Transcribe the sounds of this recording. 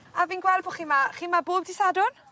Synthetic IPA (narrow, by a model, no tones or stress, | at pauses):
aviːnɡwɛlˠbɔχiːmaχiːmaboːb̚dɪsadʊr